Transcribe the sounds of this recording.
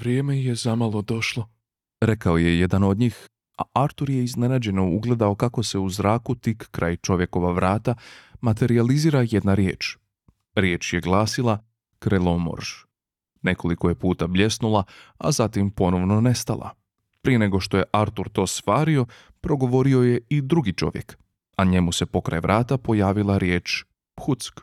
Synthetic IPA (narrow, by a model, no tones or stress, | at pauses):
ʋɾjeːmejezamalˠod̪o̞ʃlˠo | ɾe̞kaoje̞jed̪ano̞d̪ɲiːx | aʔaɾt̪uɾje̞izne̞nad͡ʑe̞nouɡle̞d̪ao̞kako̞se̞uzɾaːkut̪ikːɾa̰ːjt͡ʃo̞ʋje̞ko̞ʋaʋɾaːt̪amat̪e̞ɾializiːɾajed̪naɾjeːt͡ʃ | ɾjeːt͡ʃje̞ɡlˠaːsilˠa | kɾelˠomo̰ɾʒ | ne̞ko̞likoje̞puːt̪ablʎe̞snulˠaa̰zat̪impo̞no̞ʋno̞ne̞st̪alˠʔa̰ | pɾijene̞ɡo̞ʃt̪o̞je̞ʔaɾt̪uɾt̪o̞ːsʋaːɾio̞ | pɾo̞ɡo̞ʋo̞ɾio̞je̞id̪ɾuɡit͡ʃo̞̰ʋjḛk | aɲe̞muse̞po̞kɾa̰jʋɾaːt̪apo̞jaːʋilˠaɾjeːt͡ʃ | pxut̪sk